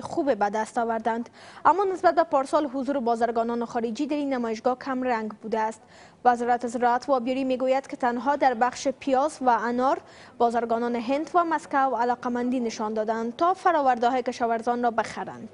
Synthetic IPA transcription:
xubebad̪ast̪ɔwaɾd̪and̪amːɔnɪsbat̪̚bapɔɾsɔlɦʊzuɾɪbɔzaɾɡɔnɔnɪχɔɾɪd͡ʒid̪aɾinːamɔjɪʃ̬ɡɒkʰamɾaŋɡbud̪aːst̪ | vazɔɾat̪ɪzɪɾɔat̪wɒbjɔɾimeɡojad̪kɪt̪anɦɔd̪aɾbaχʃɪpʰijɔzwaanɔɾ | bɒzaɾɡɔnɔnɪɦɪnd̪vamaskawalɔqamand̪inɪʃɒnd̪ɔd̪aːnd̪t̪ɔfaɾɔwaɾd̪ɪɦɔjkɪʃɒwaɾzɒnɾɔbɪxaɾa̰nd̪

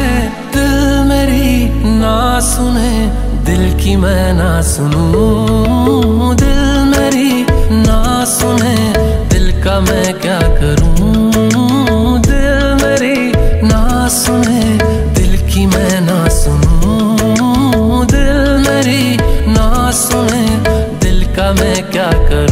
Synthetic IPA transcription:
d̪ɪlmeːɾi | na | sʊneː | d̪ɪlkimɛ̃ːnasʊnũ | d̪ɪl | meːɾi | naː | sʊne | d̪ɪlkamɛ̃ːkjaːkəɾũː | d̪ɪl | meːɾi | na | sʊne | d̪ɪlkimɛ̃ːnasʊnũː | d̪ɪlmeːɾinaːsʊneːd̪ɪlkamɛ̃ːkjaːkəɾ

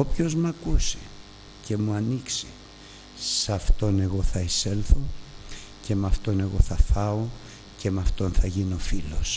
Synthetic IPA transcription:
o̞pço̞zmɐkuse̥ | ce̞muɐnikse̥ | sɐft̪o̞ne̞ɣo̞θɐese̞lθo̞ | ce̞mɐft̪o̞ne̞ɣo̞θɐθɐo̞ | ce̞mɐft̪o̞nθɐʝino̞filo̞s

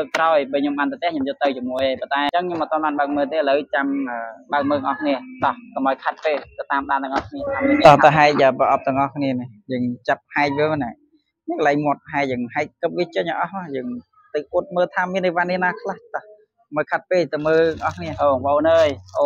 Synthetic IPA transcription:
ləːk̚kːraɔjɓəːɲomɓaːnt̪at̪ɛəhɲoːmjot̪ːəwt͡ɕomuəjpɑnt̪aɛt͡ɕəŋɲomət̪ŏɔənɓaːnɓaək̚məːlt̪eːələwt͡ɕamʔəːɓaək̚məːlt̪əŋʔɑhkʰniəɗ̪ɑhkɑməjkʰat̪̚peːlt̪ət̪aːmɗaːnt̪ɨəŋʔɑhkʰniət̪ɑht̪aɦaɛc̚ʔəːprəʔɑp̚t̪ɨ̆əŋʔɑhkʰniənijəːŋt͡ɕap̚haɛc̚ʋəna | ɲiŋkəlaŋmŏət̪̚ɦaɛjəːŋɦaɛc̚kəp̚ʋiət͡ɕəɲəʔɑhmajəːŋ | t̪ɨwʔuət̪̚məːlt̪ʰaːmiənːəʋaːnːiənaːkʰlaht̪ɑh | məːjkʰat̪̚peːlt̪əwməːləŋʔɑhkʰniəʔoːɓəʔoːnəːjʔoː

